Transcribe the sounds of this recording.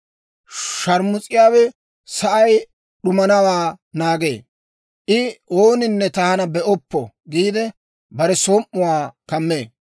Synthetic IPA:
ʃɐɾmʊt͡sʼɪjaːwɛ | sɐʔɐj | ɗʊmɐnɐwaːnaːɡe̞ː | ʔɪoːnɪnːɛt̪ɐhɐnɐbɛʔɔpːɔ | ɡiːd̪ɛ | bɐɾɛsoːmːʊwaːkɐmːeː

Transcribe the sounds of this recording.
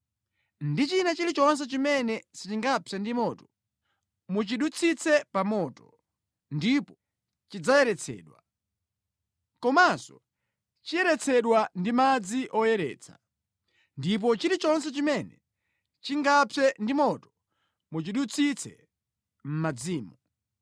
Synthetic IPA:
ndit͡ʃinat͡ʃilit͡ʃɔns̬ɛt͡ʃimɛnɛsit͡ʃiŋɡapʰɛndimɔtɔ̥ | mut͡ʃiɗut͡sʰit͡sʰɛpamɔtɔ̥ | ndipɔ | t͡ʃid͡zajɛɾɛt͡sʰɛ̰ːɗwa̰ | kɔmasɔ̰ | t͡ʃijɛɾɛt͡sʰɛɗwandimad͡ziʔɔjɛɾɛ̰ːt͡sʰḁ̰ | ndip̬ɔt͡ʃiɾit͡ʃɔns̬ɛt͡ʃimɛnɛ | t͡ʃiŋɡapʰɛndimɔtɔ̥ | mut͡ʃiɗut͡sʰit͡sʰɛ̰ | m̩mad͡ziːmu

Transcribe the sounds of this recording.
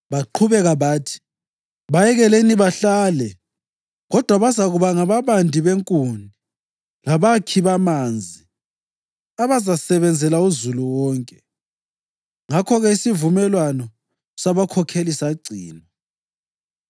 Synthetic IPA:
βaǃʰuβɛɣaβaːtʰi̥ | βajɛɣɛleniβaɬaːlɛ | ɣɔd̥ʱwaβazaɣuβaŋaβaβandʱiβeŋkʼuni | laβakʰiβamand͡zʱi | aβazasɛβɛnd͡zʱɛlauzuluwɔːŋkʼɛ | ŋakʰɔɣɛisivumɛlwanɔ | saβakʰɔkʰelisaɡ͡ǀʱiːnɔ

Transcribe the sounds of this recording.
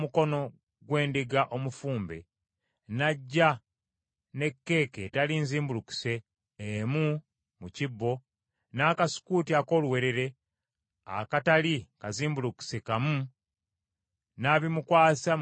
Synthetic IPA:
muko̞no̞ | ɡwe̞ːndiɡaʔo̞mufuːmbe̞̰ | naɟːa | ne̞kːe̞ːketalinziːmbuluku̥se̞ː | mu | mucibːo̞ | naːkasi̥kutiako̞ːluwe̞ɾe̞ɾe̞ | a̰katalikaziːmbuluku̥sekamu | naβimukwaːsa

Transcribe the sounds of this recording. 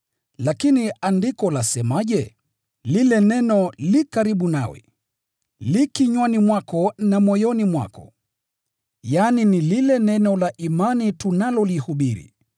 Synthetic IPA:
lakiniandikɔlasɛmaʄɛ | lilɛnɛnɔlikaɾiɓuna̰wɛ̰ | likiɲwanimwakɔnamɔjɔnimwa̰kɔ̰ | janinililɛnɛnɔlaʔimanitunalɔlihuɓiɾḭ

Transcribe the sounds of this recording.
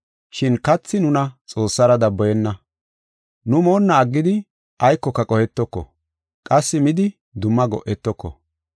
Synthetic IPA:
ʃɪnkɐt͡sːɪnʊnɐt͡sʼo̞ːsːɐɾɐd̪ɐbːɔjɛnːɐ | nʊmo̞ːnːɐːɡːɪd̪ɪ | ʔɐjkːɔkːɐkʼɔhɛt̪ːɔkːɔ̰ | kʼɐsːɪmɪd̪ɪ | d̪ʊmːɐɡɔ̰ʔɛt̪ːɔkːɔ̰

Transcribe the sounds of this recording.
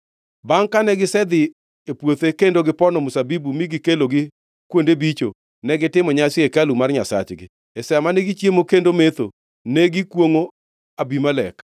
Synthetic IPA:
baŋkanɛɡɪsɛd̪ɪ | epwot̪ekendoɡɪpɔnɔmʊsabibumiɡɪkeloɡɪ | kwondebit͡ʃo | nɛɡɪtɪmɔɲasjekalumarɲasa̰t͡ʃɡɪ̰ | ɛsɛamaneɡit͡ʃjemokendomet̪o̰ | neɡɪkwoŋo | abimalɛk

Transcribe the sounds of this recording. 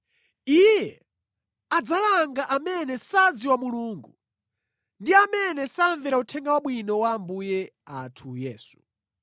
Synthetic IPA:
ijjɛ | ad͡zalaŋɡaʔamɛnɛsad͡ziwamuluːŋɡu | ndiamɛnɛsaɱvɛɾautʰɛŋɡawaɓwinɔwambujɛatʰujɛːsu̥

